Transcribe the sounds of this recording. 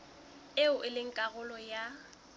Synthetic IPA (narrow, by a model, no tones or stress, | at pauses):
ɪʊʔɪlɪŋ̩kʼaɣʊlɔja